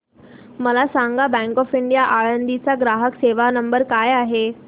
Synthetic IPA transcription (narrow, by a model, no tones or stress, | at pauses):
məlasãŋɡabɛ̃ŋkɔfiɳɖijaʔaɭənd̪it͡saɡɾaɦəkseʋanəmbəɾkajaɦe